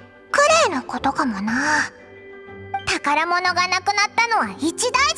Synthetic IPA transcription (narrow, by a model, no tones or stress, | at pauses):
kɯ̟ɾeːnoko̞t̪o̞kamo̞naː | t̪akaɾamo̞no̞ɡanakɯ̟nat̪ːano̞βait͡ɕid̪ai